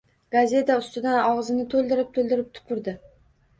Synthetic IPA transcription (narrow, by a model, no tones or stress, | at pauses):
ɡ̥azʲe̞t̪aʊst̪ɪd̪anɒʁzɪnɪt̪ʰolˠd̪ɪɾɪp̚t̪ʰold̪ɪɾɪp̚t̪ʰʊ̥pʰʊɾd̪ɪ